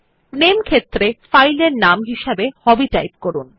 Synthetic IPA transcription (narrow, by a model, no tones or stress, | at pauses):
nemkʰet̪ːɾefajleɾnamɦiʃebehɔbiʈajp̚koɾun